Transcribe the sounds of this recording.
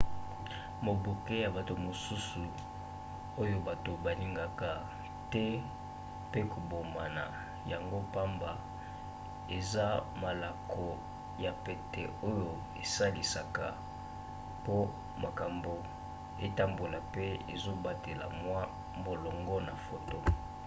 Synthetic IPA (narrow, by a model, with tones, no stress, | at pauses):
mo˨bo˨ke˦ja˨ba˨to˨mo˨su˦su˨ | o˦jo˦ba˨to˨ba˨li˦ŋɡa˦ka˨ | tɛ˦ | pe˦ko˨bo˨ma˨na̰˨ | ja˨ŋɡo˦pa˦mba˨ | e˨za˦ma˨la˨kʰɔ˨ | ja˨pe˨tɛ˨o˦jo˦ | ḛ˨sa˦li˨sa˨ka˨ | po˦ | ma˨ka˨mbo˨ | e˦ta˦mbo˨la˨pe˦ḛ˨zo˦ba˦te˨la̰˨mwa˦ | bo˨lɔ˨ŋɡɔ˦na˨fo˨to˦